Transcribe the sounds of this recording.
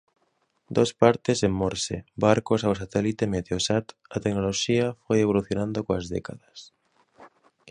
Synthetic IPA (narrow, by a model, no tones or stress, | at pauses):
d̪o̞spaɾt̪esemːoɾsḛbaɾkosawsat̪elit̪emet̪eosat̪ | at̪eknolo̞ʃiafojeβ̞oluθjonãnd̪okoazðḛkaðas